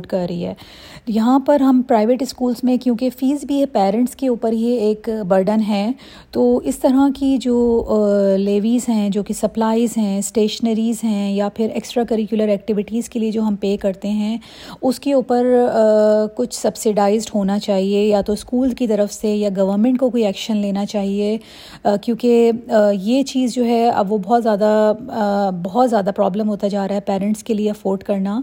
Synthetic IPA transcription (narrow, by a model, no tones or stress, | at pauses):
ʈkɐɾːɐɦiɦɛː | jɐɦãpɐɾɦɐmpɾaːɪʋeːʈɪskuːlzmẽkjũːkefiːzbʱiɛpɛːɾɛ̃ɳʈskeuːpəɾɦeeːkbɐɾɖənɦɛː | t̪oːɪst̪ɐɾakid͡ʒoː | leːʋiːzɦɛ̃d͡ʒoːkisɐplaːɪzɦɛ̃sʈeːʃənəɾiːzɦɛ̃japʰɪɾḛːksʈɾaːkɐɾɪkjʊləɾɛːk̚ʈɪʋɪʈiːzkelied͡ʒoːɦɐmpeːkɐɾt̪eɦɛ̃ | ʊskeuːpəɾ | kʊt͡ʃʰsɐbsɪɖaːɪzɖɦoːnat͡ʃaːɦiejat̪oskuːlzkit̪ɐɾəfsejaɡɐʋəɾmɛ̃ɳʈkokoiɛːkʃənleːnat͡ʃaːɦie | kjũːkejeːt͡ʃiːzd͡ʒoːɦɛɐ̰ʋobɔɦt̪zjaːd̪a | bɔɦɔt̪zjaːd̪apɾɔːblə̃mɦoːt̪ad͡ʒaːɾaːɦɛpɛːɾɛ̃ɳʈskelieɐfoːɾɖkɐɾnaː